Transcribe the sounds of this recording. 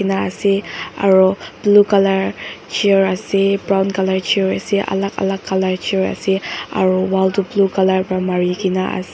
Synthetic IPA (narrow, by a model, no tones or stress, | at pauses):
inaa̰sia̰ɹob̥lukalaɹt͡ʃiɹasibɹawnkalaɹt͡ʃiɹasiʔa̰laka̰lakːalaɹt͡ʃiɹa̰sia̰ɹuwaltublukalaɹbamaɹikinaʔa̰s